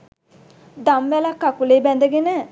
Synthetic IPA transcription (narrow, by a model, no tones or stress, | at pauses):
d̪amʋɛlakːakuleːbɛnd̪əɡenə